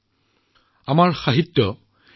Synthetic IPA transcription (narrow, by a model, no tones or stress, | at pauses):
amaɹxaɦitːɔ